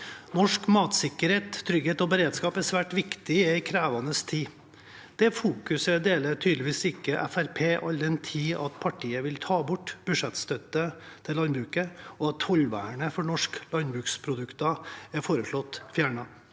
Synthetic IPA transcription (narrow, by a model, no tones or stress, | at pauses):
nɔʂkmɑːt̪sɪkːəɾheːt̪tʰːɾʏɡheːt̪ɔbəɾeːd̪skɑːpæsʋæːʈʋɪkt̪ɪɛɪkʰɾæːʋɑnəst̪ʰiː | d̪̥ɛfuːkʉsəd̪eːlət̪ʰyːd̪lɪʋiːsɪkːəʔɛ̰fæɾpʰeːʔɑld̪ɛnt̪ʰiːɑt̪pʰɑʈʰiːəʋɪlt̪ʰɑːbʊʈːb̥ʉʂɛt̪st̪œt̪ə | t̪ʰɪlːɑnbɾʉːkəɔɑt̪fɔlʋæ̰ːɳəfɔɳɔʂklɑnbɾʉːkspʰɾʊd̪ʉkt̪ɑæɾfoːɾəʂɭɔt̪ːfjæːɳɑ